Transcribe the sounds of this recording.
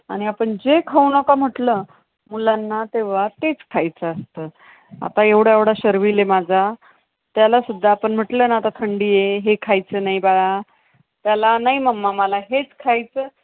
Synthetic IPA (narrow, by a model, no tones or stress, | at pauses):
aɽ̃iapəɳd͡ʑekʰaunəkam̤əʈlə | mulanːat̪eʋ̤at̪et͡skʰajt͡səəst̪əː | a̰t̪aeʋɽ̤əeʋɽaɕəɾʋilemad͡zʱa | t̪jalasud̪ʱːaːpəɳm̤əʈləːnaat̪at̪ʰəɳɖiːjeɦekʰajt͡səːnaijbaɡa | t̪jalanaɦiməmːamalaɦet͡skʰajt͡sə